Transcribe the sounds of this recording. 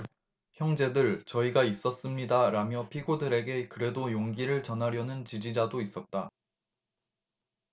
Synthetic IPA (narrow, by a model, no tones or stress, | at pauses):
çjʌŋd͡ʑe̞dɯɭt͡ɕʌiɡais͈ʌs͈ɯmɲidaɾamjʌpʰiɡodɯɾe̞ɡe̞kɯɾe̞dojoŋɡiɾɯɭt͡ɕʌnɦaɾjʌnɯnt͡ɕid͡ʑid͡ʑadois͈ʌt̚t͈a